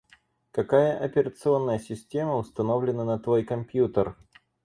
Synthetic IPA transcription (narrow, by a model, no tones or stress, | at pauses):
kɐkajəʔɐpʲɪɾət̪sɨo̞nːəjəsʲɪsʲtʲeməʊst̪ɐno̞vlʲɪnənət̪vo̞jkɐmpʲjut̪ər